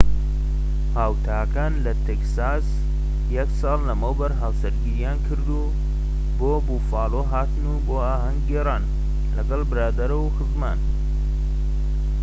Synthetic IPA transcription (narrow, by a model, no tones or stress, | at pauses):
haːwt̪ʰaːkaːnlɐt̪ʰeksaːs | jɛksɑːlːɐmowbɐɾɦaːwsɐɾɡiɾijaːnkʰɨɾd̪uː | boːbuːfaːlˠoːɦaːt̪ɨnuboːaːɦɐŋɡɡeːraːn | lɐɡɐlbɨɾaːd̪ɐɾɐwxɨzma̰ːn